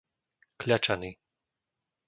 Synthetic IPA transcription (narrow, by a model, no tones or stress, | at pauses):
kʎat͡ʃani